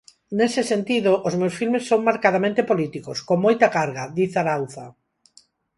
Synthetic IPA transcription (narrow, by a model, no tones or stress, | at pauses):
nesɪsent̪iðoʔozmewsfilmesːoŋmaɾkað̞amẽnt̪epolit̪ikoskoŋmojt̪akaɾɣaðiθaɾawθa